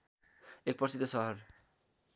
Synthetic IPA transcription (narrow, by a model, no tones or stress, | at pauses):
ek̚pʌɾsit̪ːosʌɦɔɾ